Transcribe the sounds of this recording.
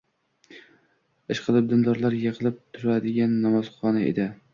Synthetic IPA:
ɪʃqʰɨlˠɪp̚d̪ɪnd̪ɒɾlaɾjeqɨlˠɪp̚t̪ʰʊɾad̪ɪɡʲanːamɒz̥χɒnaḛd̪ɪ

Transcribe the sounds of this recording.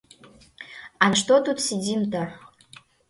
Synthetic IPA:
anʃt̪ot̪ut̪sidʲimt̪ar

